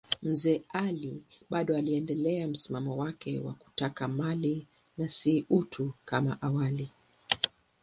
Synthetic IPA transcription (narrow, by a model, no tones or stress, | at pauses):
m̩zɛːali | ɓaɗɔaliɛndɛlɛam̩simamɔwakɛwa̰ku̥takamali | nasiʔutʰukama̰ʔawali